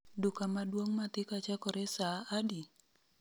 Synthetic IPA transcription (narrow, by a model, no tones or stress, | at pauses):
dukamaduaŋmat̪ikat͡ʃakɔɾɛsaːdi